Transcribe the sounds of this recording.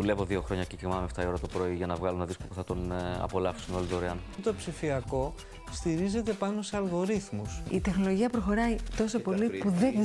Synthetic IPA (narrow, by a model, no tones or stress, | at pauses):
ule̞voðio̞xɾo̞ɲɐcicemɐɐmeft̪ɐio̞ɾɐt̪o̞pɾo̞iʝɐnɐvɣɐlunɐðiskopusθɐt̪onɐ̰po̞lɐfsunolit̪oɾeɐnot̪opsifiɐko̞ | st̪iɾize̞t̪e̞pɐno̞seɐlɣo̞ɾiθmusit̪e̞xno̞lo̞ʝiɐpɾoxo̞ɾɐjt̪o̞so̞po̞lipuðe